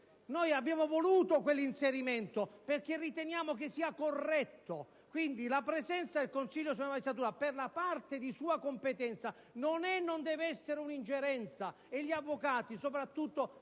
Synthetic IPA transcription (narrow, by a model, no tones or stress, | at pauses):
nojabjaːmovoluːt̪okwelːinseɾimɛnt̪operk̟erːit̪enjaːmok̟esːiːakorːɛt̪ːo | kwind̪ilapɾezɛnt̪sad̪elkonsiʎːos̬ulamad͡ʒist̪ːat̪uːɾaperlapart̪ed̪isuːakompet̪ɛnt̪sa | nonɛnːond̪ɛːvɛsːeɾeunind͡ʒeɾɛnt̪sa | eʎːiavːokaːt̪isopɾat̪ːut̪ːo